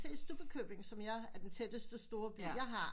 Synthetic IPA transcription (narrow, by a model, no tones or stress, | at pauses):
se̝̰sd̥ub̥əkʰøb̥e̝ŋ̩sɒ̽mjɑ̈ɪæɐd̥ent͡sʰed̥əsd̥əsd̥o̝ːɐb̥y̰jɑ̈ɪɦɑ̈